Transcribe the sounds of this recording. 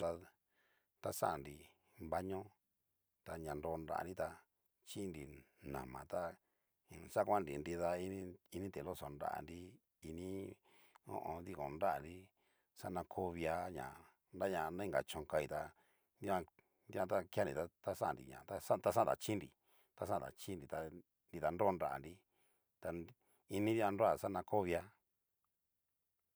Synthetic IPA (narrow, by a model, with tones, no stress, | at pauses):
a˧ | t̪a˦sa̰˦ʔnɾi˧˨ | mba˧˦ɲõ˦ | t̪a˧ɲã˨˧nɾo˧nɾa̰˧˨a̰˧nɾi˦t̪a˧ | t͡ʃi˦nɾi˧ | nã̰˨mã̰˨t̪a˦˧ | sa˦˧kʷã˦˧nɾi˨nɾi˧ða˧ĩ˦i˧nĩ˦t̪e˨lo˦so˧nɾa̰˧ʔa̰˧˨nɾi˦ | i˧nĩ˦ | õ̰˦ʔõ˧d̪i˧kõ˨nɾa˦ʔa˨nɾi˦ | sa˦nã˧kʰo˦βi˧a˧ɲã̰˨ | nɾa˦ɲã˧nã˦ĩ˦ŋɡa̰˨t͡ʃõ˧ŋka˧i˧t̪a˧ | nd̪i˦ã˧ | nd̪i˦ã˧t̪a˦ki˦a˦ndḭ˨t̪a˦t̪a˦sa˦ʔã˨nɾḭ˨ɲã̰˨t̪a˧sa˦t̪a˧sa˦˨t̪a̰˨t͡ʃi˦nɾḭ˨ | t̪a˧sã˦˨t̪a̰˨t͡ʃi˦nɾi˨t̪a˧ | ndi˧ða˧no˦˧nɾa˧˨ʔa̰˨nɾi˧ | t̪a˧ | i˧nĩ˦d̪i˦ã˧nɾo˦a˦˨sa˦nã˧ko˦βja˧